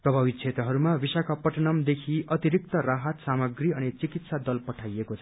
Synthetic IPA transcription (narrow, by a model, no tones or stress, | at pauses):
prʌbʱabit̪̚t͡sʰet̪rʌɦʌɾumabisakapʌʈʌnʌmd̪ekʰiʔʌt̪iɾik̚t̪ʌraɦʌt̪samʌɡriʌnit͡sikit̪sad̪ʌlpʌʈʰajekot͡sʰʌ̥